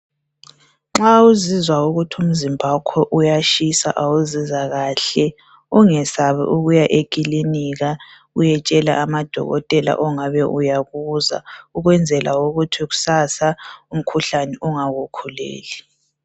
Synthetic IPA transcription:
ŋ͡ǁauzizwauɣutʰum̩zimbʱakʰwɛʔujaʃisa̰ʔauzizaɣaːɬɛ | uŋɛsaβɛ̰ʔuɣujaʔekʼiliniɣa | ujɛt͡ʃʼɛla̰ʔːmad̥ʱɔ̰ɣɔ̰tʼɛla̰ʔɔŋaβɛʔujaɣuza̰uɣwɛnd͡zʱɛlauɣutʰiɣu̥sasaum̩kʰuɬanɛʔuŋaɣukʰulḛːli

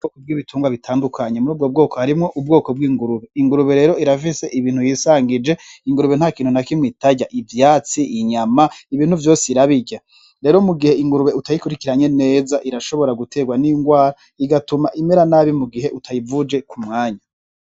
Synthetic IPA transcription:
uoːkob̚ɡiːβitʰuːŋɡwaβitʰaːndukʰaɲe̞muɾuːb̚ɡo̞b̚ɡo̞ːko̞haɾimŋo̞ʔub̚ɡo̞ːko̞b̚ɡiːŋɡuɾuβe̞iŋɡuɾuβe̞ɾe̞ːɾo̞iɾafise̞ʔiβiːn̥hujisaːŋɡid͡ʒe̞iŋɡuɾuβe̞nhakiːnhunakimwiːtaɟaʔivjaːt͡siʔiɲamaiβiːnhuvjo̞ːsiɾaβiɟa | ɾe̞ːɾo̞muɡihe̞iŋɡuɾuβe̞utajikuɾikiɾaɲe̞ne̞ːzaʔiɾaʃo̞βo̞ɾaɡutʰe̞ːɡwaniːŋɡwaːɾa | iɡatumaʔime̞ɾanaːβimuɡiɦe̞ʔutʰajivud͡ʒe̞kumŋaːɲa

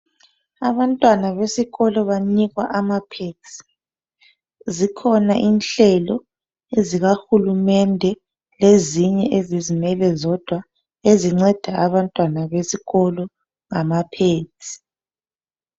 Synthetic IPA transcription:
aβantʼwanaβesiɣɔlɔβaɲiɣwaʔamapʰetʰʼi̥ | zikʰɔnaʔinɬɛlɔ | eziɣaxulumɛndʱɛ | leziɲɛʔezizimɛlɛzɔd̥ʱwa | eziŋ͡ǀɛd̥ʱaʔaβantʼwanaβesiɣɔlɔ | ŋamapʰeːtʰi̥

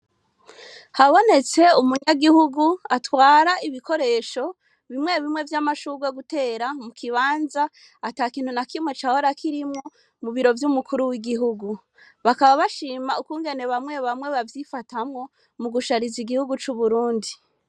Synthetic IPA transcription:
haβo̞ne̞t͡se̞umuɲaɡihuɡuatwaːɾaiβiko̞ɾe̞ʃo̞ | βimŋe̞βimŋe̞vjamaʃuːɡweɡute̞ːɾamukʰiβaːnzaː | taːkiːn̥hunakimŋe̞t͡ʃaho̞ɾakʰiɾimŋo̞ | muβiɾo̞vjumukʰuɾuwiɡiɦuɡu | βakaβaβaʃiːmaukuːŋɡe̞ne̞βamŋe̞βamŋe̞βavjifatamŋo̞ | muɡuʃaɾiziɡihuɡut͡ʃuβuɾuːndi

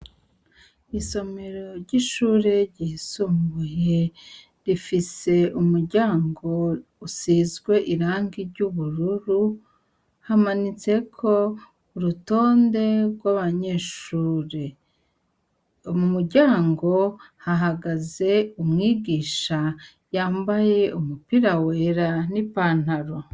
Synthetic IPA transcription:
iso̞me̞ɾo̞ɾɟiʃuːɾe̞ɾɟihisuːmbuje̞ | ɾifise̞umuɾɟaːŋɡo̞ | usiːzɡwe̞ʔiɾaːŋɡiɾɟuβuɾuɾu | hamanit͡se̞kʰo̞ | uɾuto̞ːnde̞ɾɡwaβaɲe̞ːʃuːɾe | omumuɾɟaːŋɡo̞haɦaɡaze̞umŋiːɡiːʃa | jaːmbaje̞umupiɾaweːɾanipaːn̥haɾo

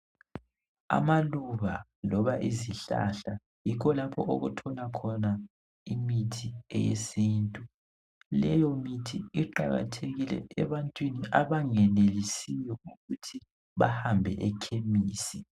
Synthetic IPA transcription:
a̰maluβalɔβaʔiziɬa̰ɬa | jikʰɔlapʰɔʔo̰ɣutʰɔlakʰɔna | imitʰiɛjḛsiːntʼu | lɛjɔmitʰiiǃa̰ɣa̰tʰeɣilɛ̰ɛβantʼwiniʔaβaŋɛnelisijɔuɣutʰi | βa̰hambʱɛʔɛkʰemiːsi

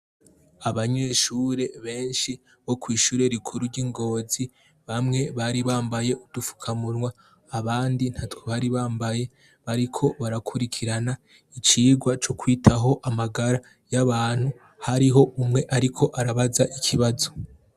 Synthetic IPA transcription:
aβaɲe̞ːʃuːɾe̞βe̞ːnʃi | βo̞kwiːʃuːɾe̞ɾikʰuɾuɾɟiŋɡo̞ːzi | βamŋe̞βaɾiβaːmbaje̞udufu̥kʰamuɾŋwaː | βaːndin̥haːtwoβaɾiβaːmbaje̞ | βaɾikʰo̞βaɾakʰuɾikʰiɾana | it͡ʃiːɡwat͡ʃokwiːtʰaɦo̞ʔamaɡaɾa | jaβaːn̥hu | haɾiɦo̞ʔumŋe̞ʔaɾikʰo̞ʔaɾaβazaʔikʰiβazo̞

